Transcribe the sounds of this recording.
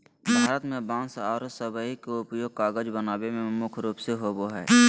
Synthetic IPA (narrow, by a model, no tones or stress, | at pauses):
bʱaːɾət̪mẽbãːnsaːɾsəbəikeʊpjoːɡ̚kaːɡəd͡ʒbənaːbemẽmʊkʰɾuːpseɦoboɦɛ̰ː